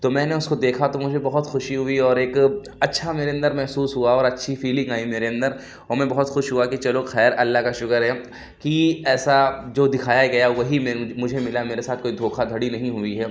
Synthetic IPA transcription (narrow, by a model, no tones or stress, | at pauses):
t̪omɛ̃ːneʊskod̪eːkʰat̪omʊd͡ʒʱebɐɦʊt̪xʊʃiɦʊiɔːɾeːk | ɐtːʃʰameːɾeɐ̃nd̪əɾmɛɦsuːsɦuaɔːɾɐtːʃʰifiːlɪ̃ŋɡaːimeːɾeɐ̃nd̪əɾ | ɔːɾmɛ̃bɐɦʊt̪xʊʃɦuakit͡ʃɐloxɛːɾɐlːaɦkaʃʊkəɾɦɛ | kiɛːsad͡ʒoːd̪ɪkʰaːjaɡɐjawɐɦimɛ̃mʊd͡ʒʱemɪlameːɾesaːt̪̚ʰkoːid̪ʱoːkʰad̪ʱɐɽinɐɦĩɦʊiɦɛː